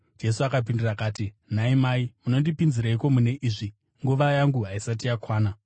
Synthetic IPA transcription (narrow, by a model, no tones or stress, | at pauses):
d͡ʒe̞suakap̬indirakaːti | naimaimuno̞ndipinziɾaiko̞mune̞ʔiːʐi | ŋɡuʋajaŋɡuɦaisat̬ijakwaːna